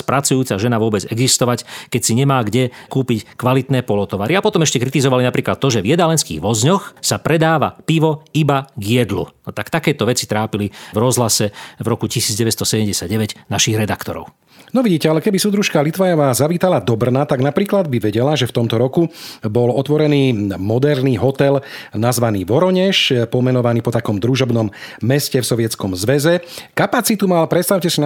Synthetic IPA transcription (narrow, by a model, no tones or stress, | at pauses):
spɾat͡sujuːt͡saʒɛnaʋʊɔbɛd͡zɛɡzist̪ɔʋackɛcsiɲɛmaːɡɟɛkuːpickʋalit̪nɛːpɔlɔt̪ɔʋaɾiapɔt̪ɔmɛʃcɛkɾit̪izɔʋalinapɾiːklat̪ːɔʒɛvjɛd̪alɛnskḭːɣʋɔzɲɔxsapɾɛd̪aːʋa̰piʋɔibaɡjɛd̪lṵnɔt̪akt̪akɛːt̪ɔʋɛt͡sit̪ɾaːpilivɾɔzɦlasɛvɾɔkucisiːd͡zɟɛʋɛst̪ɔsɛɟɛmɟɛsjaɟɛʋɛɟnaʃiɣɾɛd̪akt̪ɔ̰ɾɔ̰ʊ | nɔʋiɟiːcɛalɛkɛbisud̪ɾuʃkalit̪ʋajɔʋaːzaʋiːt̪alad̪ɔbr̩nat̪aɡnapɾiːklad̪biʋɛɟɛlaʒɛft̪ɔmt̪ɔɾɔkubɔlɔt̪ʋɔɾɛniːmɔd̪ɛɾniːɦɔt̪ɛlnazʋaniːʋɔɾɔɲɛʃpɔmɛnɔʋaniːpɔt̪akɔmd̪ɾuʒɔbnɔmːɛscɛfsɔʋɪɛt͡skɔmzʋɛzɛkapat͡sit̪umalpɾɛt̪st̪aʊcɛsin